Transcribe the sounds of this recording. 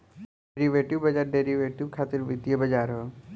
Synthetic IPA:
eɾiʋeːʈɪʋbɐd͡ʒaːɾɖeːɾiʋeːʈɪʋkʰaːt̪ɪɾʋɪd̪ijəbɐd͡ʒaːɾɦo

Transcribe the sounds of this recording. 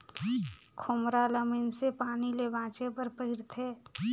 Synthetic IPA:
kʰʊmɾaləmənsepaːnilebãːt͡ʃepəɾpəɦɪɾt̪ʰeː

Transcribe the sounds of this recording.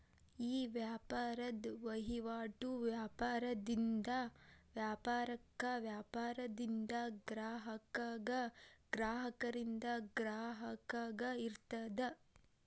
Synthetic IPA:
iːʋjaːpaːɾɐd̪ʋɐɦiʋaːʈuʋjaːpaːɾɐd̪ind̪ɐʋjaːpaːɾɐkːɐʋjaːpaːɾɐd̪ind̪ɐɡɾaːɦɐkɐɐɡɾaːɦɐkɐɾind̪ɐɡɾaːɦɐkɐɡɐiɾt̪ɐd̪ɐ

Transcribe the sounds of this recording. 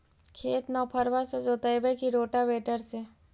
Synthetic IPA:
kʰeːt̪nɔːpʰəɾʋased͡ʒoːt̪ajbekiɾoːʈabeːʈəɾse

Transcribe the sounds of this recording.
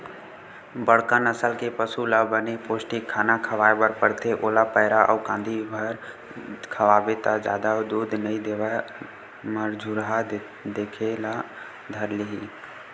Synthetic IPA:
bəɽkənəsəlkepəsulabənepoːsʈikʰːaːnakʰəʋaːebəɾpəɽt̪ʰeʔoːlapəɦɪɾaʔɔ̰ːkãːnd̪ʱibʱəɾ | kʰəʋaːbet̪ad͡ʒa̰ːd̪ad̪uːd̪nəĩd̪ea | məɾd͡ʒʱuɾɦa | d̪eːkʰela | d̪ʱəɾliɦiː

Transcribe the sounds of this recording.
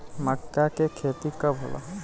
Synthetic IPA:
məkːakekʰeːt̪ikabʱo̰la̰

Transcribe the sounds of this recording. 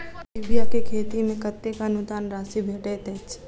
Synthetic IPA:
ibijakekʰeːt̪imẽkət̪ːekaɐnʊd̪aːnɾaːsibʱeːʈet̪eːt͡ʃ

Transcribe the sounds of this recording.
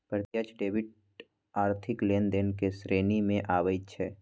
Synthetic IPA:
pɾət̪jat͡ʃɖeːʋɪʈ | aːɾt̪ʰɪkleːnd̪eːnkesɾeːnimẽʔaːʋəit͡ʃʰɛː

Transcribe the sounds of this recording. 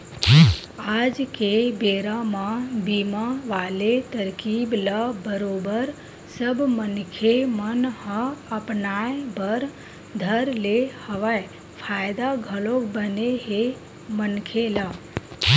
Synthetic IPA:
ad͡ʒkebeɾamãbimaʋalet̪əɾkibləbəɾobəɾ | səbʱmənkʰemənhəəpnajbəɾ | d̪ʱəɾlehəʋaj | pʰajd̪aɡʱəlokbəneɦe | mənkʰela

